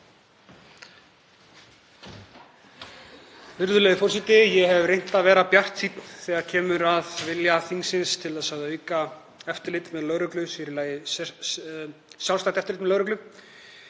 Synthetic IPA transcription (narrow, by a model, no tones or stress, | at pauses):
vɪɾðʏlɛɣɪfɔrsit̪ɪjɛɦɛvrejn̥t̪aðvɛːɾapjar̥t̪siːt̪nθɛːɣaɾcʰɛːmʏɾaðvɪljaθiŋsɪnst̪ʰɪlaðsaːwðaʏːka | ɛft̪ʏɾlɪt̪mɛðlœːɾœklʏsɪɾɪlaːjɪ | sjaw̪st̪ajht̪ɛft̪ɾlɪt̪mɛðlœːwɾœklʏ